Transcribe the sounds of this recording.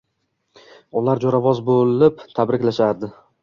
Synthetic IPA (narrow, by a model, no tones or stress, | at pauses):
ʊlaɾd͡ʒoɾavɒzbolɪpt̪ʰabɾɪkʲlaʃaɾd̪ɪ